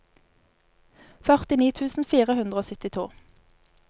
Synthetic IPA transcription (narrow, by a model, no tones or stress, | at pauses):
fœʁt̪ɪniːt̪ʰʉːsn̩fiːʁəhʉnd̪ʁəoːsʏt̪ɪt̪ʰṵː